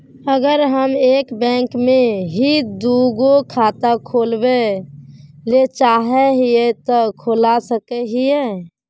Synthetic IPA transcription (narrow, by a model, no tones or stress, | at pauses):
əɡəɾɦəmeːkbɛ̃ːŋkmẽɦid̪uɡokʰat̪akʰoːlbe | let͡ʃaɦɛɦiet̪ɔkʰoːlasəkeɦie